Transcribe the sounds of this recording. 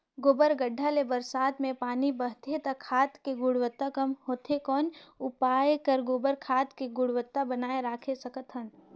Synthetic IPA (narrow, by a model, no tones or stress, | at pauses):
ɡoːbəɾɡəɖʱːalebəɾsaːt̪mẽpaːnibəɦt̪ʰet̪akʰaːt̪keɡʊɽwət̪ːakɐmɦoːt̪ʰekɔːnʊpaːekəɾɡoːbəɾkʰaːt̪keɡʊɽʋət̪ːabənaːeɾaːkʰesɐkət̪ɦən